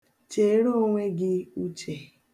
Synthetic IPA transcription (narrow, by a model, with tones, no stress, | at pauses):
t͡ʃe˨˦ɾo˦ŋʷe˦ɡɪ˦u˦t͡ʃe˨